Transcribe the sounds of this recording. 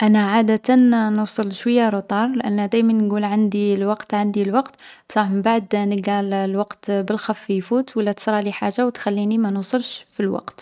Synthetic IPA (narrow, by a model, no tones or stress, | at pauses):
ʔænæʕad̪æt̪ænnuwsˤəlʃwəjːaɾˤot̪ˤɑɾˤlʔæ̰nːd̪æjmænːɡulʕand̪ilwɑqt̪ʕand̪ilwɑqt̪bsˤɑməmbaʕd̪nəɡællwɑqt̪bəlxæfːijfut̪wəlːæt̪ə̥sɾˤɑliħaʒːawt̪xælːinimænusˤəlʃfilwɑ̰qt̪